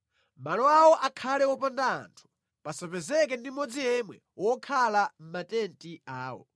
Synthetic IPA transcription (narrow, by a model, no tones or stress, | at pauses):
malɔawɔʔakʰalɛwɔpanda̰ːntʰu̥ | pasapɛzɛkɛndimɔd͡zijɛmwɛ | wɔkʰalam̩matɛntiaːwɔ̰